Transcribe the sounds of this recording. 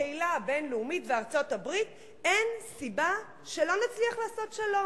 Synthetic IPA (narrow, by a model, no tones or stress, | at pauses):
eilabe̞nleumitveaʁt͡so̞tabʁit | ensiba | ʃelo̞nat͡sliaχlaːso̞tʃelo